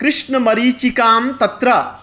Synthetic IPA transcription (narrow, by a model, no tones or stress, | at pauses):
kɾɪʂɳɐmɐɾiːt͡ʃikaːmt̪ɐt̪ɾɐ